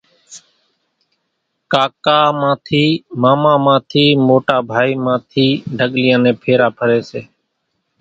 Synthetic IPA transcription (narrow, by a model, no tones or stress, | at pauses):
kaːkaːmãːt̪ʰiːmaːmãːmãːt̪ʰiːmoːʈaːbʱaːiːmãːt̪ʰiːɖʱəɠlɪjãːnẽːpʰeːɾaːpʰəɾeːseː